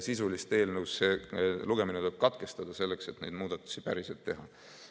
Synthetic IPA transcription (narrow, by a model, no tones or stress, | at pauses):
sisulist̪e̞ːlnəwsse̞luɡ̥e̞minet̪ob̥̚kɑt̪ke̞st̪ɑd̪̥ɑse̞lːe̞kse̞t̪ne̞jd̪muːd̪̥ɑt̪ːˑu̥sipæɾiselt̪ːe̞ɦɑ